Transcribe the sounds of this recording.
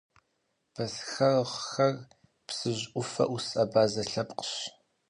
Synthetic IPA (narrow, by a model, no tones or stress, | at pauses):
b̥ʰɐsxɐrʁxɐr | psɨʑʔʷʊfɐ̰ʔusʼɐbaːzɐɬɐpqə̥ɕ